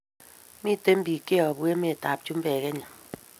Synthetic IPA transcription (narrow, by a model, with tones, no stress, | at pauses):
mi˦˨te˦m̩˦bi˨ke˦ɔ˨bwe˦me˦e˨ta˨p̚t͡ʃu˦m̩˦bɛː˨ke˦ɲa˨